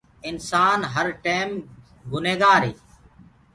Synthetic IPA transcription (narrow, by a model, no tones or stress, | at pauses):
ɪnsaːnɦəɾʈeːm | ɡʊneːɡaːɾeː